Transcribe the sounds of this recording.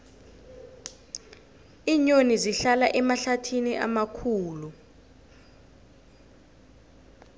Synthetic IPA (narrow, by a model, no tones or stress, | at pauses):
iɲoniziɬalaʔɛmaɬatʰiniʔa̰makʰuːlu